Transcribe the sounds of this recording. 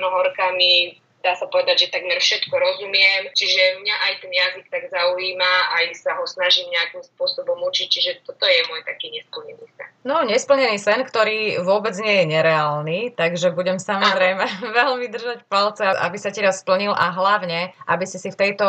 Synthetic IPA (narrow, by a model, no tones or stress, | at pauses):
nɔɦɔɾkami | d̪aːsapɔʋɛd̪aɟʒɛt̪aɡmɛɾfʃɛt̪kɔɾɔzumɪjɛmt͡ʃiʒɛmɲaʔajt̪ɛnjazik̚t̪aɡzauiːmaajsaɦɔsnaʒiːmɲɛakimspʊɔsɔbɔmut͡ʃic̚t͡ʃiʒɛt̪ɔt̪ɔjɛmɔjt̪akiːɲɛspl̩ɲɛniːsɛ̰nnɔɲɛspl̩ɲɛniːsɛnkt̪ɔɾiːʋʊɔbɛd͡zɲɪɛjɛɲɛɾɛaːlniːt̪aɡʒɛbuɟɛmsamɔzɾɛjmɛʋɛlmid̪r̩ʒacpalt͡sɛaʔa̰bisacɛɾasspl̩ɲilʔa̰ɦlaʊɲɛʔabisisift̪ɛjt̪ɔ